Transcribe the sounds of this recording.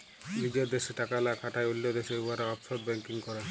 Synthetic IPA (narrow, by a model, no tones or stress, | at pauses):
nid͡ʑoɾd̪eʃeʈakalakʰaʈaeulːod̪eʃeuaɾeɔpʃɔɾ̚bɛŋkiŋkɔɾa